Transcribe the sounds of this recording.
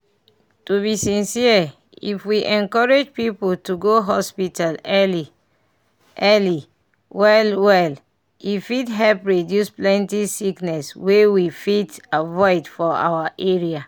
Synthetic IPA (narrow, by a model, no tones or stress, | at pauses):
tuβisĩnsia | ḭfwiʔɛ̃nkɔɹed͡ʒpipoltuɡoɦɔspitalɛli | ʔɛli | wɛlwɛl | ifitɦɛlpɹedjusplɛ̃ntisiknɛswewifitavɔɪdfɔa̰waʔeɹia